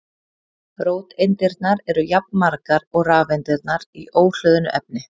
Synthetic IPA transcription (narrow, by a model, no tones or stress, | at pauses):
ɾoːwt̪ejnt̪ɪɾt̪naɾɛɾʏjap̚nmaɾkaɾɔɣraːvejnt̪ɪɾt̪naɾiʔoːwl̥œːðʏnʏ̰ʔɛp̚nɪ